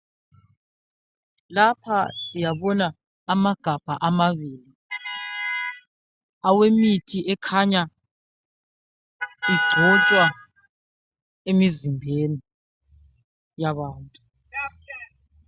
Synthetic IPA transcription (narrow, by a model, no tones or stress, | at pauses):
lapʰasijaβɔnaː | maɡ̥ʱab̥ʱaʔamaβiːli | awemitʰiʔɛkʰaɲa | iɡ͡ǀʱɔt͡ʃʼwa | emizimbʱeni | jaβaːntʼu